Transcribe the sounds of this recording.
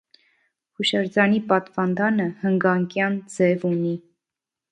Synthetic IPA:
huʃɑɾd͡zɑnipɑt̪vɑnd̪ɑnəhəŋɡɑŋkjɑnd͡zɛvuni

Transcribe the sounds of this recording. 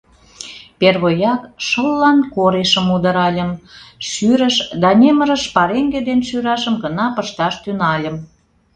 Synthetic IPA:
perβojɑkʃəlːɑnkoɾeʃəmud̪ə̆ɾɑlʲə̆mʃyɾəʃd̪ɑnʲeməɾəʃpɑɾeŋɡed̪enʃyɾɑʃəmɡənɑpəʃt̪ɑʃt̪ynɑlʲəm

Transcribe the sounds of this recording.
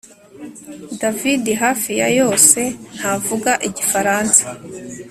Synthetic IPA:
davidiɦaːfijajo̞ːse̞n̥havuɡaʔiɟifaɾaːnsḁ

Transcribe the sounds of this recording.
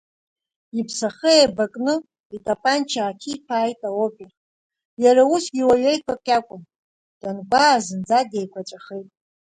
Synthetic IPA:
ipʰsaχeabakʼnɨ | itʼapʼant͡ʃʰaːkʲʰipʰaːjtʼaopʲʼer | jaɾausɡʲiwaɥejkʷʰapʼkʲʼakʷʼʊn | d̥anɡʷaːzɨnd͡zade̞jkʷʰat͡ʃʷʼaχejtʼ

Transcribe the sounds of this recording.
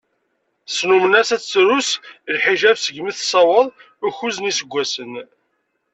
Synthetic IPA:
snumənæsæt͡sːɾuslħiʒævsəʝmiθsˤɑwəðˤ | uçuznisəɡʷːæsən

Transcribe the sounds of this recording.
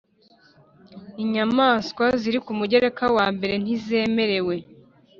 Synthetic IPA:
iɲamaːskwaziɾikumuɟe̞ɾe̞kawaːmbe̞ɾe̞n̥izeːme̞ɾe̞we̞

